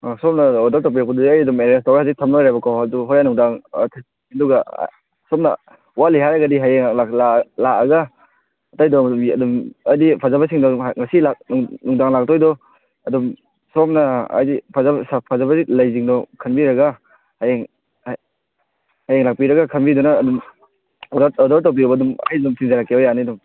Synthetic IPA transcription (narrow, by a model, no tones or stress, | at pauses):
asɔp̚naɔdaɾtap̬ijakpɐdudiajɐdumeɾestɔɾasitʰɐmnɔjɾajbɐkʰawaduɦɔjanuŋdaŋ̰tʰa | ɐduɡa̰ | sɔp̚na̰ | waliɦaɾaɡadiɦajeŋlaklalaɐɡaː | tajdɔɐdumɐjdipʰazabasiŋdɔŋasilak̚nŋnuŋdaŋlak̚tɔjdɔ | ɐdum | sɔp̚nɐa̰jdipʰazasapʰazabaɾilajziŋdɔkʰɐnbiɾɐɡa | hajeŋ | h | hajeŋlak̚piɾɐɡakʰɐnbidɔnaːdum | ɔdaɾtawp̬iɔbadumɐ̰jzumsiŋzaɾakːeɔjanidɔm